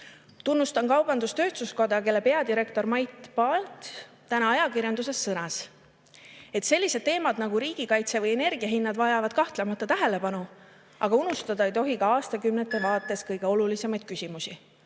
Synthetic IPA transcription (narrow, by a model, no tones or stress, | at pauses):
t̪unːust̪ɑnkɑwb̥ɑnd̪ust̪ø̞ːt̪suskod̪ɑke̞lːe̞pe̞ɑd̪iɾe̞kt̪o̞rmɑjt̪pɑlt̪ | t̪ænɑɑjɑkirjɑnd̪̥use̞sːɤnɑs | et̪se̞lʲːise̞d̪̥̚t̪ːe̞ːmɑd̪nɑɡ̥uɾiːɡ̥ikɑjt̪se̞vɤje̞ne̞rɡ̥iɑɦinːɑd̪vɑjɑvɑd̪̥kɑht̪le̞mɑt̪ːˑɑt̪æɦele̞pɑnu | ʔɑ̰ɡ̥ɑunust̪ɑd̪̥ɑejt̪o̞ɦikɑɑːst̪ɑkymnet̪ːˑe̞vɑːt̪ːˑe̞skɤjɡ̥eo̞lulise̞mɑjd̪̥kysʲimusi